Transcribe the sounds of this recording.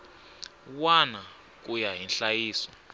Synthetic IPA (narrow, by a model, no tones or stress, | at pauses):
wana | k̬ujaɦinɬajiːsɔ